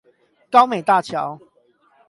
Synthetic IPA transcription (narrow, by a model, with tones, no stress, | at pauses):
ka˦ʊme˨˩ɪt̪a˥˨t͡ɕʰja˨˦ʊ